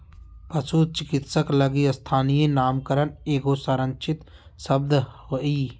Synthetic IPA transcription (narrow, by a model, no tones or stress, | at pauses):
pɐsut͡ʃɪkɪt̪səkləɡiəst̪ʰaːnijenaːmkəɾəneːɡosaɾə̃nt͡ʃʰɪt̪ | səb̚d̪oiː